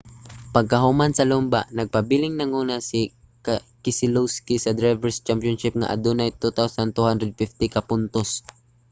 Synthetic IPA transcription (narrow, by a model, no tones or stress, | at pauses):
paɡ̚kaɦumansɐlʊmbaʔnɐɡ̚pabilɪŋnaŋuːnasɪ | kɪsɪluwskisɐd̪ɾajvɛɹst͡ʃampjɔnʃɪp̚ŋa̰ʔa̰d̪unajt̪ut̪awsant̪uhand̪ɾɛd̪̚fɪft̪ɪkapʊnt̪os